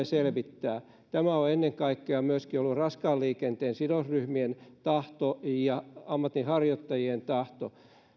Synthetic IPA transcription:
eselʋit̪ːæː | t̪æmæoenːeŋkɑikːeɑmyøskiolːurɑskɑːlliːkent̪eːnsidosryhmient̪ɑht̪ojɑɑmːɑt̪ːihɑrjot̪ːɑjient̪ɑht̪o

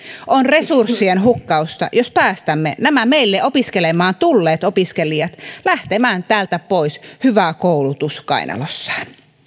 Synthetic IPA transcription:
ʔonre̞sursːienɦukːɑust̪ɑ̰jospæːst̪æmːḛnæmæmeilːeʔopiskelemɑːnt̪ulːeːt̪opiskelijɑt̪læht̪emæːnt̪æːlt̪æpoishyʋækoulut̪uskɑ̰inʔɑ̰losːɑ̥n

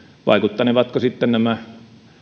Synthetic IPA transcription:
ʋɑ̰ˑikut̪ːɑneʋɑt̪kosit̪ːennæmæ

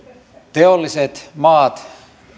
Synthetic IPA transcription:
t̪eolːiset̪mɑːt̪

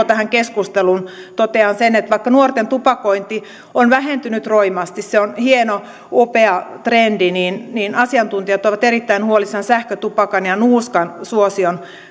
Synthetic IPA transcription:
t̪æhæŋkeskust̪elunt̪ot̪eɑnsenet̪ʋɑikːɑnuort̪ent̪upɑkoint̪i | onʋæhent̪ynyt̪roimɑst̪isseonhieno | opeɑt̪rendininniːnɑsiɑnt̪unt̪iɑt̪oʋɑt̪erit̪ːæinhuolisɑnsæhkøt̪upɑkɑnjɑnuːskɑnsuosion

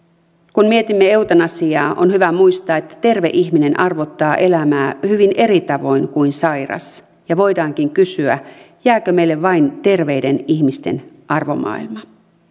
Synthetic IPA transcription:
kunmiet̪imːee̞uwt̪ɑnɑsiɑːʔo̞nhyʋæmuist̪ɑːet̪ːæ̥t̪e̞rʋe̞ʔiçmine̞nʔɑrʋo̞t̪ːɑːʔe̞læmæːhyʋinʔe̞ɾit̪ɑʋo̞jnkuinsɑjrɑ̰s | jɑʋo̞jdɑːŋkiŋkysyæ̰ | jæːkømejlːe̞ʋʋɑint̪e̞rʋe̞ide̞niçmist̪e̞̰n | ʔɑrʋo̞̰mʔɑ̰ːilmɑ

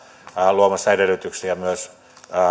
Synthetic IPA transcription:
luomɑsɑedelyt̪yksiɑmyøs

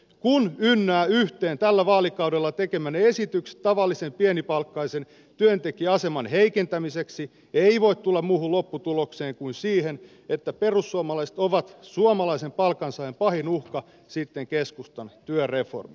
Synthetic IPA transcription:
kunynːæːyht̪eːnt̪ælːæʋɑːlikɑudelːɑt̪ekemæneesit̪ykse̥t̪t̪ːɑʋɑlːisempienipɑlkːɑisen | t̪yønt̪ekiɑsemɑnheikent̪æmiseksi | eiʋoit̪t̪ulːɑmmuːhullopːut̪ulokseːŋkunsiːhen | et̪ːæperusːuɑmɑlɑise̥t̪oʋɑt̪suomɑlɑisempɑlkɑnsɑempɑhinuhkɑ | sit̪ːeŋkeskust̪ɑnt̪yørefo̰rmi

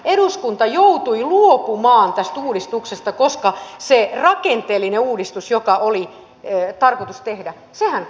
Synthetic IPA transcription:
eɾuskunt̪ɑjout̪uiluopumɑːnt̪æst̪uːdist̪uksest̪ɑkoskɑserɑkent̪eːlːineuːdist̪usjokɑʔoli | t̪ɑrkot̪ust̪ehdæ | sehæn

